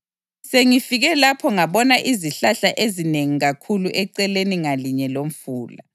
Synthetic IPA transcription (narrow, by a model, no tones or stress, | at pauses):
seŋifiɣɛlapʰɔŋaβɔnaʔiziɬaɬaʔezineŋiɣakʰuluʔɛǀɛleniŋaliɲɛlom̩fuːla